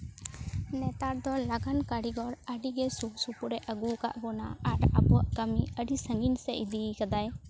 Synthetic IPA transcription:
nɛt̪aɾd̪ɔlaɡankaɽiɡɔɾəɖiɡɛsusupuɾɛʔəɡuka̰ʔbɔna̰ːɾa̰buwaʔkəmiəɖisəŋɡinsɛʔd̪ikad̪aj

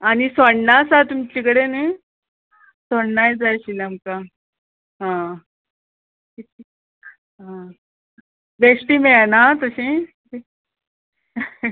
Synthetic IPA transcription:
añisəɳnasat̪umt͡ɕikəɽene | soɳnajd͡zajɕilamka | ɦã | kit̪ʰi | ɦã | besʈiːmeɭanat̪əɕĩ | t̪i

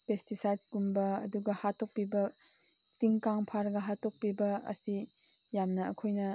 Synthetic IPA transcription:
pestisajdsɡumbɐɐ̰duɡɐhatok̚pibɐ | tiŋkaŋpʰaɾɡɐɦatok̚pibɐɐ̰si | jamnɐɐkʰojnɐ

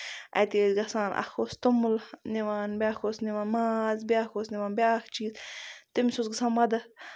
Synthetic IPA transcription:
ɐ̰jt̪eːzɡɐsaːnʔa̰xoːst̪umulniʋaːnbʲaːxoːsniʋaːnmaːzbʲaːxoːsniʋaːnbʲaːxt͡ʃʰiːzt̪imsosɡsaːnmɐd̪ɐ

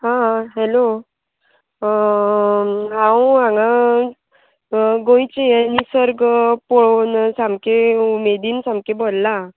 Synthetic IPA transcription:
ɦãɦɛlo | ɦãwãŋa | ɡõjt͡ɕeanisəɾɡpɔɭonsãmkeumed̪iːnsamkebolla

